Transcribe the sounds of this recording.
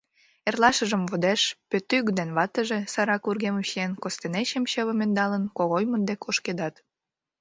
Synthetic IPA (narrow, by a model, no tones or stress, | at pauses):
erlɑʃəʒə̆mvod̪eʃpøt̪ːyɣd̪enβɑt̪əʒesɑɾɑkurɣemuɕenkost̪eneɕəmɕəβə̆mend̪ɑlənkoɣojmənd̪ekoʃked̪ɑt̪